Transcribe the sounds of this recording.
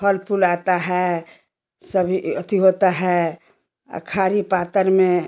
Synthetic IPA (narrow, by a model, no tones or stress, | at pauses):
pʰəlpʰulat̪aɦɛ | səbʱiət̪ʰiɦot̪aɦɛ | ə̰kʰaɾipaːt̪əɾmẽ